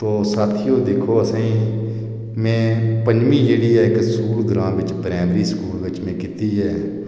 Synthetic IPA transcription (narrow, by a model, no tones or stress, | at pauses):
t̪oːsaːt̪ʰiːjoːd̪eːkʰoːəsãːĩː | mɛ̃ːpəɲd͡ʒmĩːd͡ʒeːɽiːɛːɪksuːld̪əɾãːʋɪt͡ʃbɾɛ̃ːbɾiːsəkuːlʋɪt͡ʃmẽːkɪt̪iːɦɛː